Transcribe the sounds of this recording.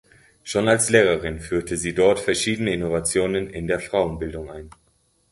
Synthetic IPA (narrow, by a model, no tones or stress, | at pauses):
ʃoːnalsleːʁəʁɪnfyːɐtʰəziːdɔɐtfɛɐʃiːdənəɪnovat͡sjoːnənɪndeːɐfʁ̥aʊənbɪldʊŋʔaɪn